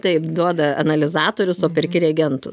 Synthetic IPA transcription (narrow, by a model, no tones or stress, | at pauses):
t̪ɐɪpd̪uɔd̪ɐɐ̰nɐlʲɪzɑːt̪oːɾʲʊsoːpʲɪɾʲkʲɪɾʲɛɡʲɛnt̪ʊ